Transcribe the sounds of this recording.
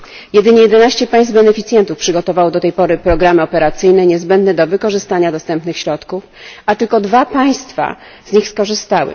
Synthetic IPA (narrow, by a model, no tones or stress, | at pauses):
jɛd̪ɘɲɛjɛd̪ɛnaɕt͡ɕɛpaj̃sd̪bɛnɛfʲit̪sʲjɛnt̪ufpʂɘɡɔt̪ɔvawɔd̪ɔt̪ɛjpɔɾɘpɾɔɡɾamɘɔpɛɾat̪sɘjnɛɲɛzbɛnd̪nɛd̪ɔvɘkɔʐɘst̪aɲad̪ɔst̪ɛmpnɘxɕɾɔt̪kufat̪ɘlkɔd̪vapaj̃st̪fa̰ | zɲixskɔʐɘst̪awɘ̰